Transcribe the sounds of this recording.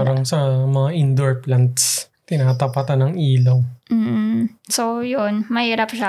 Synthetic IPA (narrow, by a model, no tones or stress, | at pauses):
aɾɐŋsɐmɐŋaʔɪnd̪oɹplɐnt̪s | t̪ɪnaːt̪ɐpɐt̪anːɐŋʔiːlɐwm̩ːsojonmɐhiːɾapʃa